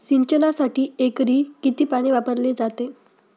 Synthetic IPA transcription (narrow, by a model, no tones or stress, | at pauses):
siɲt͡ɕənasaʈiːekɾiːkit̪iːpaɽ̃iʋapəɾled͡zat̪e